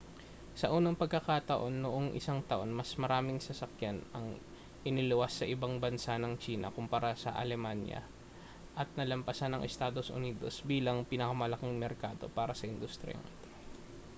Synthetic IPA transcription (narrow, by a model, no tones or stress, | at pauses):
sɐʔuːnɐŋpɐɡ̚kːɐkat̪ɐʔo̞nːoʔo̞ŋʔɪ̰saŋt̪ɐʔo̞nmɐsmɐɾaːmɪŋsɐsɐkjanɐŋ | ʔɪnɪlʊwasːɐʔɪbaŋbɐnsanɐŋt͡ʃiːnɐ̰kʊmpɐɾasɐ̰ʔɐ̰lɛmanjɐ̰ | ʔɐt̪̚nɐlɐmpɐsanːɐŋʔɛst̪aːd̪o̞sʔʊ̰niːd̪o̞̰sbiːlɐŋpɪnɐkɐmɐlɐkɪŋmɛɾkaːd̪o̞paːɾɐsɐʔɪnd̪ʊst̪ɾɪ̰a̰ŋʔɪt̪o